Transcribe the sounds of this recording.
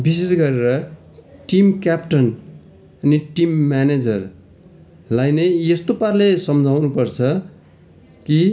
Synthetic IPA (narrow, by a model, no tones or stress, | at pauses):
bis̬esɡʌɾeɾʌ | ʈimkjapʈʌn | ʌniʈimːaned͡zʌr | lajnʌjest̪oparlesʌmd͡zʱawnupʌrt͡sʰʌ | ki